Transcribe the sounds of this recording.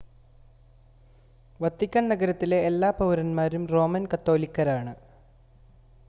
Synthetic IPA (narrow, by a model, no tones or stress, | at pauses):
ʋɐt̪ːikʲːɐɳnɐɡɐɾɐt̪ːile̞ːlːaːpɐwɾɐnmaːɾumro̞ːmɐnkɐt̪ːo̞ːlikːɐɾaːɳɨ